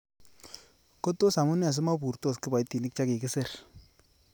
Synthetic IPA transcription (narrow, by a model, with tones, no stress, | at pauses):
ko˦to˦sa˨mʊ˦n˦a˨s̬ɪ˦ma˦bu˨ɾto˦˨skɪ˦ba˨jti˨nɪ˦k̚t͡ʃa˦kɪ˨kɪ˦sɪ˦˨r